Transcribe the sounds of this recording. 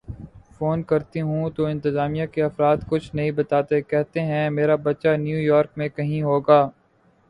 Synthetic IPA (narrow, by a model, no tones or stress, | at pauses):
foːnkɐɾt̪iɦũt̪oɪ̃nt̪ɪzaːmijakeɐfɾaːd̪kʊt͡ʃʰnɐɦĩbɐt̪aːt̪ekɛɦt̪eɦɛ̃meːɾabɐtːʃanjuːjɔːɾk̚mẽkɐɦĩɦoːɡaː